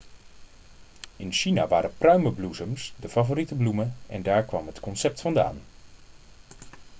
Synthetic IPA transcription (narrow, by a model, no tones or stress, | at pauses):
ɪnʃina̰ʋa̰ːɾəprœɥməbluzəmsdəfavoritəbluməɛ̰ndaːɹkʋɑmɦətkɔnsɛp̚tfɑnda̰ːn